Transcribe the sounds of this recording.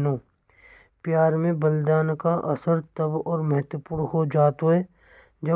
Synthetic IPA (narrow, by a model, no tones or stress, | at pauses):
nõː | pjaːɾmẽbɐld̪aːnkaʔɐsəɾt̪ɐbɔːɾmɐɦət̪wəpuːnɦod͡ʒaːt̪oɦɛː | d͡ʒɐ